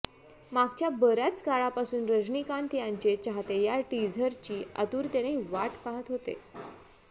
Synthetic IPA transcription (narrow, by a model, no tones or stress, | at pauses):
maɡt͡ɕjabəɾat͡skaɭapasuːnɾəd͡ʑɳikant̪ijãɲt͡ɕet͡ɕaɦt̪ejaʈid͡zʱəɾt͡ɕiːə̰t̪uːɾt̪eɽ̃eʋaʈpaɦət̪ɦot̪ḛ